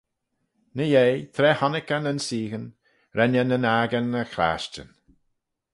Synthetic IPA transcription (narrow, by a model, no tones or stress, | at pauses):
nəjejt̪ʰɾɛːhɔnɪkənənsiːɣən | ɾɛnənənaːɡənːəxɾa̰ːʃt͡ʃə̰n